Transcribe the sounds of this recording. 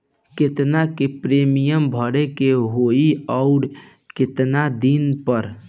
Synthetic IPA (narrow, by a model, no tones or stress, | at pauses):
ket̪nakepɾemijəmbʱəɽekeɦoiɔʊɾ | ket̪nad̪inpəɾ